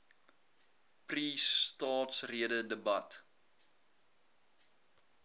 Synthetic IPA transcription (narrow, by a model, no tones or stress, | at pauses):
pristɑːtsriədədəbɐt